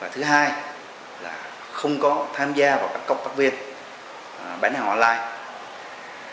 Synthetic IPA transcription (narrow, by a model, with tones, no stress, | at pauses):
vaː˨˩t̪ʰɨ˨˦ɦaː˧j | la̰ː˨˩ | xə˧wŋ͡mkɔ˨˦t̪ʰaː˧mzaː˧vaː˨˩wkaː˦˥kːə˦˥wk͡p̚ta˦˥k̚vi˧ən | ɓaː˧˥˦nhaː˨˩wʔɔ̰˧nlaː˧j